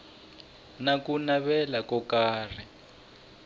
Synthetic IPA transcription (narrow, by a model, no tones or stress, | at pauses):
nakunaβɛlakɔkaːr̤i